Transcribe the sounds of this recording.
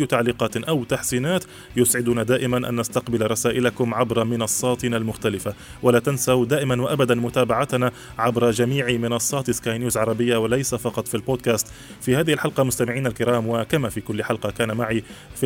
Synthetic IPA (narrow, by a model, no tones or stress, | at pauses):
jːʊt̪aʕliːqɑːt̪ʔawt̪aħsiːnaːt̪ | jʊsʕɪd̪ʊnad̪aːʔɪmanʔa̰nːast̪aqbɪlɾˤɑsaːʔɪlakʊmʕabɾˤɑmɪnɑsˤːɑːt̪ɪnalmʊxt̪alɪfa | walaːt̪ansad̪aːʔɪmanwaʔabad̪anmʊt̪aːbaʕat̪na | ʕabɾˤɑd͡ʒamiːʕmɪnɑsˤːɑːt̪ɪskaːjnjuːzʕɑɾˤɑbɪjːawalajsafɑqɑt̪ˤfilboːd̪̚kaːst̪ | fiːhaːðɪhɪlħɑlqɑmʊst̪amɪʕiːnalkɪɾɑːmwakamafiːkʊlːħɑlqɑkaːnamaʕif